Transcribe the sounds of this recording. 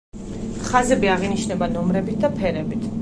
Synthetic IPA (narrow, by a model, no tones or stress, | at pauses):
χazɛbiaʁiniʃnɛbanɔmɾɛbit̪̚d̪apʰɛɾɛbit̪ʰ